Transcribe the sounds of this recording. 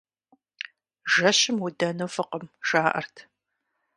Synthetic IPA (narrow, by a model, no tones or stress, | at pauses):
ʒɐɕɪmwʊdɐnɐwfɨqəmʒ̥aːʔɐ̰rtʰ